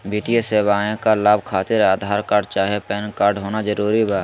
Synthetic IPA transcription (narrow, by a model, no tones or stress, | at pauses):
biːt̪ieseːʋaːẽkalaːbkʰaːt̪ɪɾaːd̪ʱaːɾkaːɾɖt͡ʃaːɦiepɛːnkaːɾɖɦoːnazəɾuːɾibaː